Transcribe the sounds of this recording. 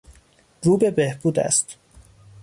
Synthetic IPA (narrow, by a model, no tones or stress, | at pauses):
ɾuːbe̞behb̥uːd̪æ̰st̪